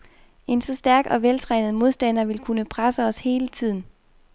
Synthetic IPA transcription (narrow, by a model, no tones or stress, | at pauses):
e̝nsɒ̽sd̥æɐɡ̥ɒ̽ʋelt͡sʰʁɛ̰nð̞̩ˠmo̝ð̞ˠsd̥æn̰ɐʋe̝lkʰunəpʰʁasəɒ̽she̝ːlət͡sʰið̞̰ˠn̩